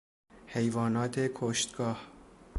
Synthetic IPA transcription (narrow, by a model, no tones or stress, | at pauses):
he̞jvɒːnɒːt̪ʰe̞kʰoʃt̪ɡ̥ɒːh